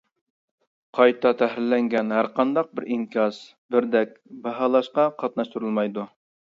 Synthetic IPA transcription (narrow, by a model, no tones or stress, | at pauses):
qʰɑjt̪ɑt̪ʰæɦɾɪlːɛŋɡʲɛnɦæɾqɑnd̪ɑq̚bɪɾʔiŋkʲɑs | bɪɾd̪ɛk̚ʲbɑɦɑlˠɑʃqɑqʰɑt̪̚nɑʃt̪uɾɨlˠmɑjd̪u